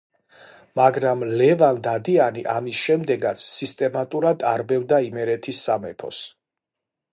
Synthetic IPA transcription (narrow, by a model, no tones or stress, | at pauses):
maɡɾamlɛvand̪ad̪ianiʔamisʃɛmd̪ɛɡat̪sʰːist̪ʼɛmat̪ʼuɾad̪aɾbɛvd̪aimɛɾɛt̪ʰisːamɛpʰɔ̰s